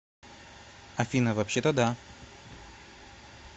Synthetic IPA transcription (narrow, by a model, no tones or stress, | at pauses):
afʲinavapɕɛt̪ɔd̪a